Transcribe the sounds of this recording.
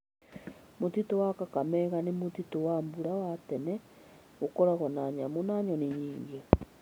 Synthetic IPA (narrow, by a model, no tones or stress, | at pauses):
motitowakakamɛɣanemotitowambuɾawatɛnɛ | okɔɾaɣɔnaɲamonaɲɔniɲiːŋɡe